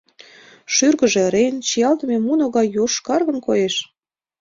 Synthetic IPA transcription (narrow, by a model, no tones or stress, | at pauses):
ʃyrɣəʒĕɾent͡ɕijɑlt̪əmʲemunoɣɑjoʃkɑrɣə̆nkojeʃ